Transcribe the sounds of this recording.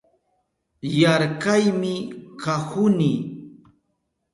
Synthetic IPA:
jaɾkajmɪkahʊni

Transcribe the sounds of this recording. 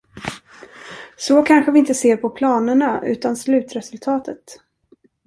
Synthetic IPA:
sɔkʰanɧəvɪɪnt̪əseːɾpʰɔpʰlɑːnəɳaʉ̟̰ːt̪anslʉ̟ːt̪ɾɛsɵlt̪ʰɑːt̪ʰət̪

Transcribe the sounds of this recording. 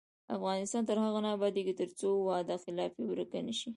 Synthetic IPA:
a̰fɣɑnɪst̪ɑnt̪əɾhaɣanabɑd̪eɡit̪əɾt͡sowɑd̪axɪlɑfewəɾəkanəʃi

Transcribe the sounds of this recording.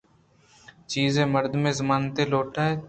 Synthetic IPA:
t͡ʃiːzẽːməɾd̪mẽːzəmaːnt̪eːloːʈʰaːɦeː

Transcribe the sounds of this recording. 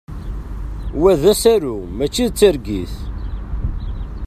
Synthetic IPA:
wæðæsæɾumæt͡ʃːiðt͡sːəɾɡiθ

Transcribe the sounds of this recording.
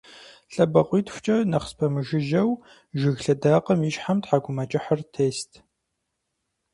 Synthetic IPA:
ɬʼɐbɐqʷʼiːtxʷʊ̥t͡ʃʼɐnɐχspʰɐmɨʒɪʒɐw | ʒɪɣɬɐdaːqʼɐmjɪʃħamtħaɡʷʊmɐt͡ʃʼɪħɐrtʰeːstʰ

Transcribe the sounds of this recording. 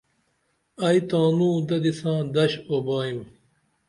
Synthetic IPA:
ɐjt̪ãːnũːd̪ɐd̪isãːd̪ɐɕobaːim

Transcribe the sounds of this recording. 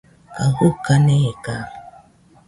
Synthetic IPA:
kaɡukːaneka

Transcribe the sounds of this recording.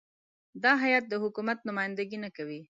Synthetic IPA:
d̪ɑɦajɑt̪̚d̪əhʊkumat̪nʊmɑjɪnd̪aɡinakawi

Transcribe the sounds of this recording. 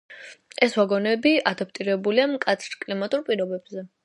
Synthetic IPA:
ɛswaɡɔnɛbiʔad̪ap̚ʰʼt̪ʼiɾɛbuliamkʼat̪sʰɾkʼlimat̪ʼuɾpʼiɾɔbɛbzɛ

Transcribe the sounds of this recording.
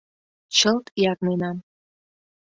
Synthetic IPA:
t͡ɕəlt̪jɑknenɑn

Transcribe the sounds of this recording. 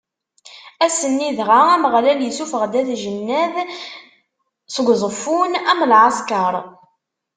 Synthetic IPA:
æsənːiðʁaæməʁlæljəsufəʁd̪æθʒənːæð | sɡʷðˤəfunæmlʕɑskɑɾˤ

